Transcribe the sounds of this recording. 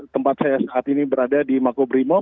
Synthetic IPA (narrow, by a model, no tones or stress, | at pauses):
t̪əmpat̪̚sajasəʔat̪inibəɾadadimakobɾimo